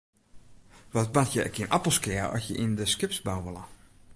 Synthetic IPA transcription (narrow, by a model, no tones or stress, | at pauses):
ʋɔtbatʰjəkʰiənʔapəlˠskɪərɔ̰sjəʔindəskɪpsbawʋəlˠə